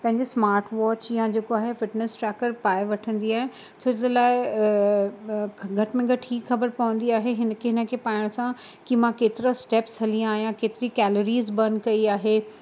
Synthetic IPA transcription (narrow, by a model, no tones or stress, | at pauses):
pɐ̃ɦɪ̃ɲd͡ʑesmaːɾʈʋɔːt͡ɕjãd͡ʑeːkoaːɦefɪʈnesʈɾɛːkəɾpaːɪʋɐʈʰə̃nd̪iaːɦe | t͡ɕʰoːlaːɪ | ɡʱɐʈmẽɡʱɐʈʰiːkxɐbəɾpɐʋə̃n̆d̪iaːɦeɦɪnəkʰeɦɪnə̆kʰeːpaːɪɽ̃sã | kimãkeːt̪ɪɾəsʈeːpshɐliãaːɦijãkeːt̪ɪɾikɛːloɾiːzbɐ̃nd̪kɐiaːɦeː